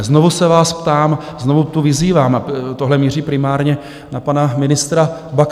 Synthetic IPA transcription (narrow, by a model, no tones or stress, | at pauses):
zno̞vusɛvaːspt̪aːmzno̞vut̪uvɪziːvaːmat̪oɦlɛmiːriːpɾɪmaːɾɲɛ | napanamɪnɪst̪ɾabak